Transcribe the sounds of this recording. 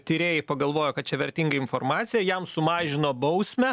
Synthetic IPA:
t̪ʲɪɾʲeːjɛɪpɐɡɐlˠʋoːjoːkɐt̪̚t͡ʃʲɛʋʲɛɾʲt̪ʲiːŋɡɐɪnformɑːt̪sʲɪjɛjɛmsʊmɑːʒʲɪnoːbɐʊsʲmʲɛ

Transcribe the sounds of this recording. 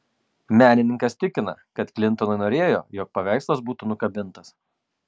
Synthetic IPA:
mʲæːnʲɪnʲɪŋkɐst̪ʲɪkʲɪnɐ̰kɐt̪klʲɪnt̪ɔnɐɪnoːɾʲeːjo̰ːjɔːk̚pɐʋʲæˑɪslˠɐsbuːt̪ʊnʊkɐbʲɪnˑt̪ɐs

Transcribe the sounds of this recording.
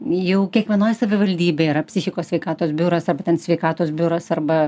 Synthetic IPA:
jɛʊkʲiɛkʋʲiɛnoːjsɐʋʲɪʋɐlʲd̪ʲiːbʲeːɪɾɐpʲsʲɪxʲɪkoːsʲʋʲɛɪkɑːt̪oːsbʲʊɾɐsɐrbɐt̪ʲɛnsʲʋʲɛɪkɑːt̪oːsbʲʊːɾɐsɐrbɐ

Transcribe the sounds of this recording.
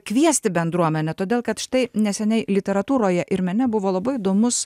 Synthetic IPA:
kʋʲiɛsʲt̪ʲɪbʲɛnd̪ɾuɔmʲɛnʲɛt̪oːd̪ʲeːlˠkɐt̪ʃʲɪ̥t̪ɐɪnʲɛsʲɛnʲɛɪlʲɪt̪ʲɛɾɐt̪uːɾoːjɛʔɪɾmʲɛnʲɛbʊʋoːlˠɐbɐɪɪd̪oːmʊs

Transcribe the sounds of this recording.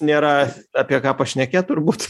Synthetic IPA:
nʲeːɾɐɑːpʲiɛkɑːpɐʃʲnʲɛkʲet̪ʊrbuːt̪

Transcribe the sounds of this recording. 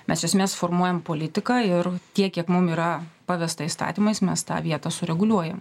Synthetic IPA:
mʲɛsɪʃʲɛsmʲeːsfoːrmuɔjɛmpoːlʲɪt̪ʲɪkɑːɪɾt̪ʲiɛkʲiɛkmʊmiːɾɐpɑːʋʲɛst̪ɐɪst̪ɑ̰ːt̪ʲimɐɪsmʲɛst̪ɑ̰ːʋʲiɛt̪ɐsʊɾʲɛɡʊlʲuɔjɛm

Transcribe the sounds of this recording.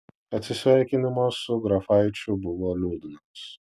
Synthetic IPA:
ɐt̪ʲsʲɪsʲʋʲɛˑɾʲkʲɪnʲɪmosʊɡɾɐfɐɪt͡ʃʲʊbʊʋoːlʲuːd̪ʲɪnos

